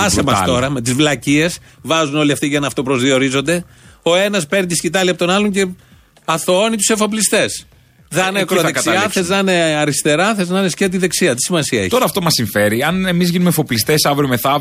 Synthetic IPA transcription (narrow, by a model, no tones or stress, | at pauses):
ɐsemɐst̪o̞ɾɐme̞t̪izvlɐcie̞s | vɐzuno̞liɐft̪iʝɐnɐft̪o̞pɾo̞zðio̞ɾizo̞nd̪e̞ | o̞e̞nɐspe̞ɾnit̪iscit̪ɐliɐpot̪onɐlo̞ɲce̞ | ɐθoo̞nit̪use̞fo̞plist̪e̞s | ðɐnekɾoðekɐsiɐθeznɐneɐɾist̪e̞ɾɐθeznɐnesceɐt̪̬iðe̞ksiɐt̪i̥simɐsiɐḛçtoɾɐft̪omɐsiɱfe̞ɾiɐnemizʝinumefo̞plist̪esɐvɾomeθɐ